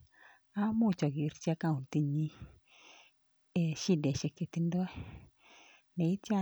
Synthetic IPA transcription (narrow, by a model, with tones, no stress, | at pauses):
a˦mo˦˨t͡ʃɔ˨ɡi˨ɾt͡ʃa˦ka˦˨u˨n˨ti˨˦ɲi˦ | e˨ʃi˦˨dɛ˨ʃɛ˨ke˨ti˦n˦dɔ˦ɛ˦ | nɛ˨i˦tja˦˨